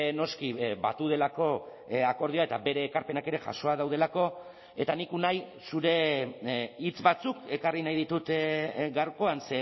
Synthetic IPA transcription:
no̞skiβat̪uð̞e̞lako̞ | ako̞ɾð̞ioae̞t̪abe̞ɾe̞ːkaɾpe̞nake̞ɾe̞ʝa̰ʃo̞að̞awð̞e̞lako̞ | e̞t̪anikunaj | suɾe̞ | it͡sbat͡suke̞karinajð̞it̪ut̪ɡaɾko̞anse

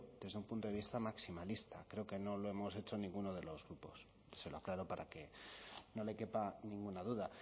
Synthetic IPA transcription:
d̪e̞zðeumpunt̪oðeβist̪amaksimalist̪a̰kɾe̞oke̞no̞lo̞e̞mo̞se̞t͡ʃo̞nĩŋɡuno̞ð̞e̞lo̞zɣɾupo̞s | se̞loaklaɾo̞paɾʔake̞no̞le̞kepanĩŋɡunaðuða

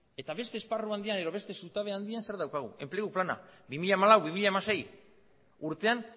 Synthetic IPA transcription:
e̞t̪aβe̞st̪e̞ːsparuand̪ianeðo̞βe̞st̪e̞sut̪aβe̞and̪ianse̞ɾðawkaɣ̞ṵe̞mple̞ɣuplana̰bimiʎamalawβimiʎamase̞j | uɾt̪e̞an

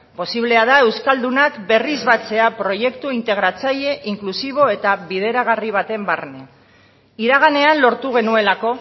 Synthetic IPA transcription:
po̞siβle̞að̞ae̞wskald̪unakbe̞rizβat͡se̞apɾo̞je̞kt̪uint̪e̞ɣɾat͡saʎe̞ʔiŋklusiβ̞o̞e̞t̪aβiðe̞ɾaɣ̞ariβ̞at̪e̞mbarne | iɾaɣane̞anlo̞ɾt̪uɣ̞e̞nue̞lako̞

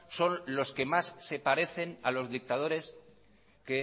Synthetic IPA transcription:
so̞nlo̞ske̞masːe̞paɾe̞θe̞nalo̞zðik̚t̪að̞o̞ɾe̞s | ke

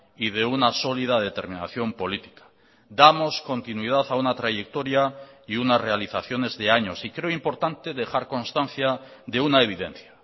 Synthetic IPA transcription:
ið̞e̞unaso̞lið̞aðe̞t̪e̞ɾmĩna̰θjo̞mpo̞lit̪i̥kḁ | d̪amo̞sko̞nt̪inwið̞aθaunat̪ɾaʝe̞k̚t̪o̞ɾjaiunasre̞aliθaθjo̞ne̞zðe̞aɲo̞sikɾe̞oimpo̞ɾt̪ant̪e̞ðe̞xaɾko̞nst̪anθjaðe̞unae̞β̞iðe̞̰n̟θjḁ

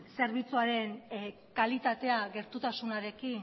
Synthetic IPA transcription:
se̞ɾβit͡suaɾe̞n | kalit̪at̪e̞aɣe̞ɾt̪ut̪asunaɾe̞kin

